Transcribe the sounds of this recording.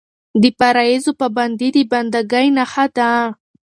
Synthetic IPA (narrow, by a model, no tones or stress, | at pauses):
d̪ɪpaɾaezopaband̪id̪iband̪aɡajnahad̪a